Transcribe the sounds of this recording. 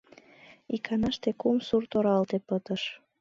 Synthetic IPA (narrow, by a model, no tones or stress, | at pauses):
ikʰɑnɑʃt̪ekumsurt̪oɾɑlt̪epət̪əʃ